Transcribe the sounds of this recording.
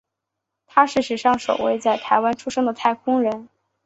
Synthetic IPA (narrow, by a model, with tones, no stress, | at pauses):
t̪ʰa˥ʂɻ̩˥˩ʂɻ̩˨˩ʂɑ˥˩ŋʂo̰˨˩ʊwḛ˥˧ɪt͡sa˥˩ɪt̪ʰa˧˥ɪwa˥nʈ͡ʂʰu˥ʂɤ˥ŋd̪ə˨t̪ʰa˥˩ɪkʰʊ˥ŋɻə˧˥n